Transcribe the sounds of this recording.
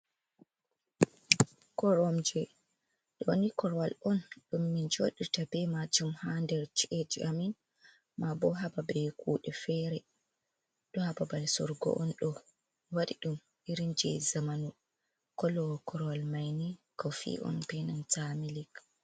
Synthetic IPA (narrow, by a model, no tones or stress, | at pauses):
kɔɾɔmd͡ʒɛ | ɗɔnikɔɾwalɔnɗumːind͡ʒoɗitabɛmad͡ʒumhandɛɾt͡ʃiʔed͡ʒiʔamin | mabɔɦababɛjkuːɗɛfɛɾɛ | ɗɔhababalsɔ̰ɾɡɔ̰ʔɔnɗɔ | waɗiɗum | iɾind͡ʒɛ̰zamanu | kɔlɔkɔɾwalmajnikɔfḭʔɔ̰npɛnantamilik